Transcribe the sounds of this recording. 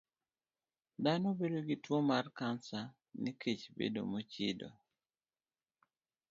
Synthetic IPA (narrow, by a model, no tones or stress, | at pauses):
d̪anobedoɡitwomarkansa | nikʰet͡ʃbḛdo̰mot͡ʃido̰